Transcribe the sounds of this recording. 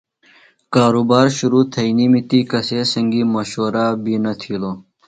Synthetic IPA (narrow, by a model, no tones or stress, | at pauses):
kaːɾuːbaːɾɕuɾuːt̪ʰɐiniːmit̪ikɐseːsɐŋɡiːmɐɕoːɾaːbinɐt̪ʰiːloː